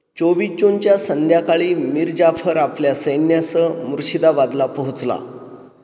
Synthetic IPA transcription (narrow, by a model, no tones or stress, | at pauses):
t͡ɕoʋit͡ɕont͡ɕjasənd̪ʱjakaɭiːmiɾd͡ʑafʰəɾapljasəjnjasəmuɾɕid̪aʋad̪lapəɦut͡sla̰